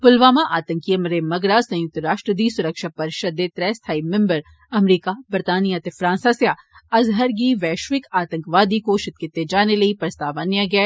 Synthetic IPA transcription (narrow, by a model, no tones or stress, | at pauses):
pʊlʋaːmaʔaːt̪ə̃ŋkijɐmɾemɐɡɾaːsɐ̃jʊk̚t̪əɾaːʃʈɾəd̪iːsʊɾəkʃapɐɾɪʃɐd̪ːet̪ɾɛːst̪ʰaːimɪ̃mbəɾ | ɐmɾiːkabɐɾt̪aːnijat̪efɾãːnsasjaɐzɦəɾɡiʋɛːʃʋɪkaːt̪ə̃ŋkʋaːd̪ikoʃɪt̪̚kɪt̪ːed͡ʒaːnelɐipɾɐst̪aːʋanjaɡɐeː